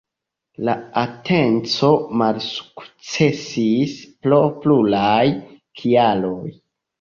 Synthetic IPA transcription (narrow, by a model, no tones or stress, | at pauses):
laatʰe̞nt͡so̞malsu̥kt͡se̞sisplo̞plulaj | kʰialo̞j